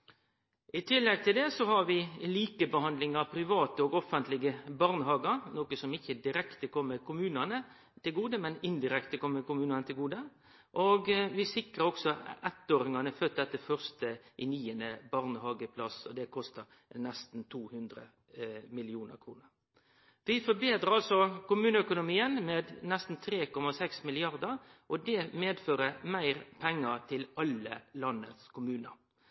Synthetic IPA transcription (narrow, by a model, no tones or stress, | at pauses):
ʔɪt̪ʰɪlːɛɡ̚t̪ʰɪld̪ɛsɔhɑɾʋɪliːkəbəhɑnd̪lɪŋɑʋpʰɾɪʋɑːt̪əɔɡɔfːənt̪lɪɡəbɑʁnəhɑːɡəɾnoːkəsɔmɪçːəd̪ɪɾɛkt̪əkʰɔmːəɾkʰʊmʉːnɑnə | t̪ɪlɡuːd̪əmɛnɪnd̪ɪɾɛkt̪əkɔmːəkʊmʉːnɑnət̪ʰɪlɡuːd̪ə | ʔoɡʋɪsɪkɾəɾɔksɔɛt̪ːoːɾɪŋɑnəfœt̪̚d̪ɛt̪ːəfœʁst̪əʔɪniːənəbɑʁnəhɑːɡəpʰlɑsɔd̪ɛkʰɔst̪ə | nɛst̪n̩t̪ʰuːhʉnd̪ɾə̰ | mɪlɪuːnə̰ɾkʰʁuːnəɾ | ʋɪfɔbeːt̪ɾəɾɑlsɔkʊmʉːnəœkʊnʊmiːənmeːd̪nɛst̪n̩t̪ʰɾeːkɔmɑsɛksmɪlɪɑʁd̪əɾʔɔd̪ɛmeːd̪føːɾəmæɪʁpʰɛŋːət̪ʰɪlɑləlɑnːə̰t̪skʰʊmʉːnəɾ